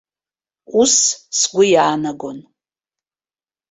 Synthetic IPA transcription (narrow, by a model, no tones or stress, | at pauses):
ussɡʷʊjaːnaɡon